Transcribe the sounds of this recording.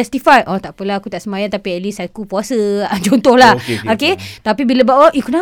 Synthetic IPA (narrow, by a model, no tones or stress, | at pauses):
ɛst̪ifajʔɔ̃t̪aʔpəlaakut̪aʔsəmajant̪apiɛt̪lisakupuasət͡ʃont̪ɔhlahoket̪apibiləbawaʔikəna